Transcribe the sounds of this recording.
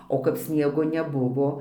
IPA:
oː kɐp ˈsʲnʲiɛɡoː nʲɛˈbʊʋoː

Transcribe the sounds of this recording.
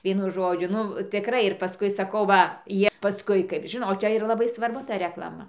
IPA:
ˈʋʲiɛnʊ ˈʒoːd͡ʒʲʊ ˈnʊ tʲɪˈkrɐɪ ɪr pɐˈskʊɪ sɐˈkɐʊ ˈʋɐ ˈjiɛ pɐˈskʊɪ kɐɪp ˈʒʲɪnoːt oː ˈt͡ʃʲɛ ɪˈrɐ lˠɐˈbɐɪ sʋɐrˈbʊ ˈtɐ rʲɛklˠɐˈmɐ

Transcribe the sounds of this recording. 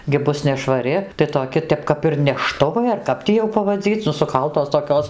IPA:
ɡʲɪ ˈbʊs nʲɛʃʋɐˈrʲɪ tɐɪ toːˈkʲɪ ˈtʲɛp kɐp ɪr nʲɛˈʃtʊʋɐɪ ɐr ˈkɐp tʲiː jɛʊ pɐʋɐˈd͡zʲiːt͡sʲ nʊ sʊˈkɐlˠtoːs toːˈkʲoːs

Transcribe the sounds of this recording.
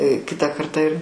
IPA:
ˈkʲɪtɐ ˈkɐrtɑː ɪr

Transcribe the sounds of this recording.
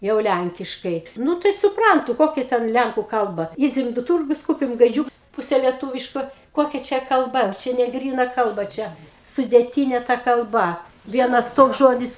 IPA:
ˈjɛʊ ˈlʲæŋʲkʲɪʃkɐɪ ˈnʊ tɐɪ sʊˈprɐntʊ ˈkoːkʲɛ ˈtʲɛn ˈlʲæŋkʊ ˈkɐlˠbɐ ˈiːd͡zʲɛm doː ˈtuːrɡʊs ˈkuːpʲɪm ɡɐɪˈd͡ʒʲuːk ˈpuːsʲɛ lʲiɛˈtuːʋʲɪʃkoː ˈkoːkʲɛ ˈt͡ʃʲɛ kɐlˠˈbɐ ˈt͡ʃʲɛ nʲɛˈɡrʲiːnɐ ˈkɐlˠbɐ ˈt͡ʃʲɛ sʊdʲeːˈtʲiːnʲɛ ˈtɐ kɐlˠˈbɐ ˈʋʲiɛnɐs ˈtoːks ˈʒoːdʲɪs

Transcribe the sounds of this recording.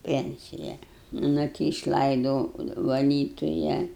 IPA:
ˈpʲɛnʲt͡sʲɪjɛ ˈnʊ tʲɪ ɪʃˈlˠɐɪdoːʊ ʋɐˈlʲiːtʊjɛ

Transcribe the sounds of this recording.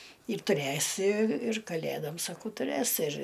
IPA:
ɪr tʊˈrʲæsʲɪ ɪr kɐˈlʲædoːm sɐˈkɐʊ tʊˈrʲæs ɪr

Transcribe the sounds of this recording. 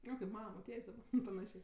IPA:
ˈoː kɐɪp ˈmɑːnɐ moːˈtʲiɛjsʲ dɐˈbɐ pɐˈnɑːʃʲeː

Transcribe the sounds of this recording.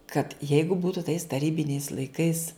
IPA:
kɐt ˈjɛɪɡʊ ˈbuːtʊ tɐɪs tɐˈrʲiːbʲɪnʲɛɪs lˠɐɪˈkɐɪs

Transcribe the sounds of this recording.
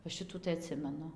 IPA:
ʋɐ ˈʃʲɪtuː tɐɪ ɐˈtʲsʲɪmʲɛnʊ

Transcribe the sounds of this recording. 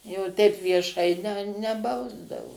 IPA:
jɛʊ tʲɛɪp ʋʲiɛˈʃɐɪ nʲɛ nʲɛˈbɐʊzdɐʋoː

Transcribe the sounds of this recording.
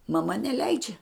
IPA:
mɐˈmɐ nʲɛˈlʲɛɪd͡ʒʲɛ

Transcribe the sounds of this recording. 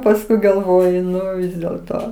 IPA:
pɐsˈkʊɪ ɡɐlˠˈʋoːjʊ ˈnʊ dʲeːlˠ ˈtoː

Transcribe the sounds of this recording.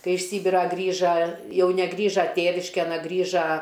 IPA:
ˈkɐɪ ɪʃ ˈsʲiːbʲɪrɑː ˈɡrʲiːʒɐ ˈjɛʊ nʲɛˈɡrʲiːʒɐ ˈtʲeːʋʲɪʃʲkʲeːn ɐ ˈɡrʲɪʒɐ

